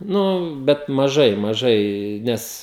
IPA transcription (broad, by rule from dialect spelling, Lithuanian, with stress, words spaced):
ˈnʊ bʲɛt mɐˈʒɐɪ mɐˈʒɐɪ ˈnʲɛs